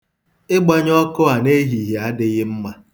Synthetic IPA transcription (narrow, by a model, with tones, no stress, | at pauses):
ɪ˦ɡ͡ba˦ɲ˦ɔ˦kʊ˦a˨ne˦ɦi˨ɦi˨a˦dɪ˦ɣɪ˦m̩˦ma˦